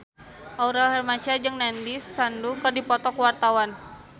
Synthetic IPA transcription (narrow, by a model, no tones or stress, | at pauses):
ʔauɾɛlhɛrmat͡ʃad͡ʒɨŋnandisːandukɨrdipɔt̪ɔkwart̪awan